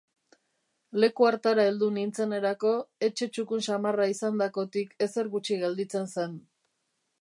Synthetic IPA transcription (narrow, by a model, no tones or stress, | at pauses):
le̞kuaɾt̪aɾaeld̪unint͡se̞ne̞ɾako̞e̞t͡ʃe̞t͡ʃukunsamaraisand̪ako̞t̪ike̞se̞ɾɣut͡ʃiɣeld̪it͡se̞nsen